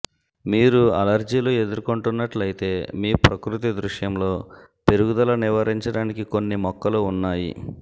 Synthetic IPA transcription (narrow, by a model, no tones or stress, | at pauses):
miːɾuɐlɐɾd͡ʒiːluːe̞d̪uɾkoɳʈunːɐʈlɐjit̪e̞ːmiːpɾɐkɾut̪̬id̪ɾuʂjɐmlo̞ː | p̪e̞ɾuɡud̪ɐlɐniʋɐɾiɲt͡ʃɐɽaːnikiko̞nːimɔkːɐluunːaːjḭ